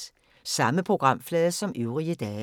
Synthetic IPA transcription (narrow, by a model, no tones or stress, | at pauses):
sɑməpʰʁoɡ̥ʁɑ̈m̰flɛːðˠəsɒ̽mʔyʊʁiəd̪̥ɛː